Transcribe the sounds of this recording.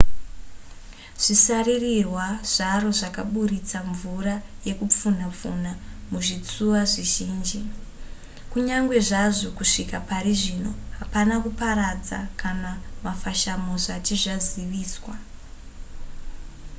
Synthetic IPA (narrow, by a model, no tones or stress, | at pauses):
ʐ̥isaririrwaʐ̥aro̞ʐakaɓuɾit͡saɱvuraje̞kup͡fun̤ap͡fun̤amuʐit͡suʋaʐiʒiːnd͡ʒi | kuɲaŋɡwe̞ʐaʐo̞kuʂikapaɾiʐino̞ɦapanakupaɾad͡za̰kʰanamafaʃamo̞zat͡ʃiʐaziʋiːswa